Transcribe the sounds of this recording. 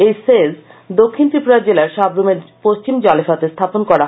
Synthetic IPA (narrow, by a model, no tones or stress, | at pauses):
ejsezd̪okʰːint̪ɾipoɾaɾd͡ʑelaɾʃɔbɾumeɾpost͡ɕimd͡ʑɔlefat̪est̪ʰaponkɔɾa